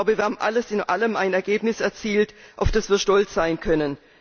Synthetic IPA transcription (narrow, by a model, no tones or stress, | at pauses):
bəviːɐhaːmʔa̰ləsɪnʔa̰ləma̰ɪnɛɐɡeːpnɪsɛɐt͡siːltʔaʊfd̥asv̥iːɐʃtɔlt͡sz̥aɪnkʰœnən